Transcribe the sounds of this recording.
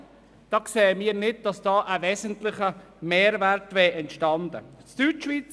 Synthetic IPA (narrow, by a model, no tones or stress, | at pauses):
d̥ɑːksɛːəmiːəɾnɪd̚d̥ɑsd̥ɑːʔəvɛzəntlɪχə | meːɾvɛɾtvɛːʔɛntʃtɑnd̪ə̰t͡styːtʃviːt͡s